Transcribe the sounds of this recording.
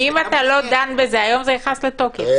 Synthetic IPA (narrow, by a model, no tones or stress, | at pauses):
imat̪alo̞d̪anbezeajo̞mzejaχaslet̪oke